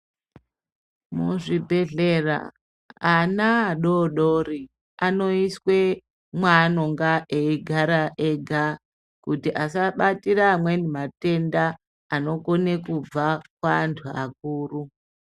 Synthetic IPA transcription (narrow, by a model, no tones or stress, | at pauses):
muʐibʱe̞ɮera̰ | anaːɗoɗori | ano̞iswe̞ | mwanoŋɡaʔeiɡʱaɾaʔeɡʱa | kutiʔasaɓatiɾamwe̞nimate̞ndaː | no̞kone̞kub͡vakwaːntʰua̰k̚uːru